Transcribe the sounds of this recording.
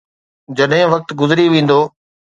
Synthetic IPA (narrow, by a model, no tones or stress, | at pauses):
d͡ʑɐɗɦɪ̃ʋɐk̚t̪ɡʊzɾiʋẽːn̆d̪oː